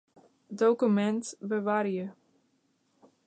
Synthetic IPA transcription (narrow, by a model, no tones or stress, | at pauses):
dowkymɛntbəʋaɾijə